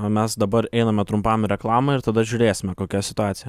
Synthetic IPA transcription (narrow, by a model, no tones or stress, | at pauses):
mʲɛsd̪ɐbɐɾɛɪnɐmʲɛt̪ɾʊmpɑːmʲɪɾʲɛklˠɑːmɐɪɾt̪ɐd̪ɐʒʲʊɾʲeːsʲɪmʲɛkoːkʲɛsʲɪt̪ʊɑːt̪ʲɪjɛ